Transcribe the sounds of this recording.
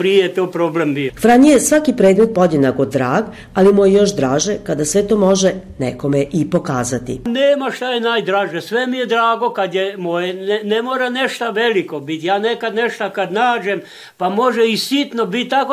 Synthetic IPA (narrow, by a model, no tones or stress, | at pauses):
pɾiejet̪oːpɾoːblembijofɾanijesʋakipɾeːd̪me̞t̪̚pod̪enaɡod̪ɾaːɡ | alimujejo̞ʃd̪ɾaːʒekad̪asʋe̞t̪oːmo̞ʒe | neko̞meʔipo̞kaːzat̪ḭneːmaʃt̪ajenaːjd̪ɾaːʒesʋemijed̪ɾaːɡokad̪jemojɛnnemoːɾaneʃt̪aʋelikobit̪jaːnekad̪neʃt̪akad̪naːd͡ʒem | pamoʒeisit̪nobit̪̚ʲt̪ːako